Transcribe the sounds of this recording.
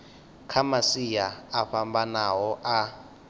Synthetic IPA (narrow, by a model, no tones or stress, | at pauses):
kʰamasijaːɸambanaɦɔʔa